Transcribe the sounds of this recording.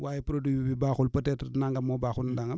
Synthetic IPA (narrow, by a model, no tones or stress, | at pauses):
wʔaːjepɾodwibibibaːxulpətɛːtəɾnaŋɡamobaːxulndaŋɡam